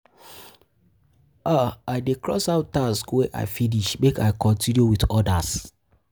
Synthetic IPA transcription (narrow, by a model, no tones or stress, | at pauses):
aaɪdekɹɔ̰saʊtːaskweʔa̰ɪfiniʃmeka̰ɪkɔ̃ntĩnjuwitɔdas